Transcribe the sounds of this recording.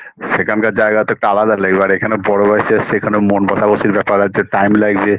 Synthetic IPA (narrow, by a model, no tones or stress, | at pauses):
ʃekʰankad͡ʑaeɡat̪oek̚ʈaalad̪aleɡbeaɾekʰanebɔɽobaʃʰeasʰeekʰanemonbaʃaboʃiɾbɛpaɾat͡ɕʰeʈajmlaɡbe